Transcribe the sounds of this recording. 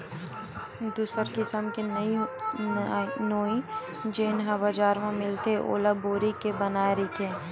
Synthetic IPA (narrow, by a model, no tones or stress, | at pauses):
d̪uːsəɾkɪsəmkinɐi | noːi | d͡ʒeːnɦɐbad͡ʒaːɾmẽmɪlt̪eʔo̰ːlaboːɾikebɐnaːeɾit̪ʰeː